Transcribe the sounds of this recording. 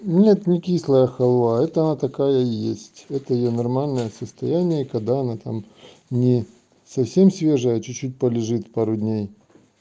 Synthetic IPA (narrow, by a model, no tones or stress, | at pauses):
nʲet̪nʲɪkʲislˠəjəxɐlˠvaɛt̪əɐnat̪ɐkajəjesʲtʲɛt̪əjɪjonɐrmalʲnəjəsəst̪ɐjænʲɪjəkɐɡd̪aɐnat̪a̰m | nʲɪ | sɐfsʲemsʲvʲe̞ʐəjət͡ɕʊt͡ɕːut̬̚ʲpəlʲɪʐɨt̪paɾʊdʲnʲej